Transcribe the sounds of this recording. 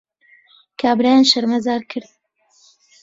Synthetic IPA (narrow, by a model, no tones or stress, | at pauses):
kʰaːbɾaːjanʃɐɾmɐzaːɾkʰɨɾd̪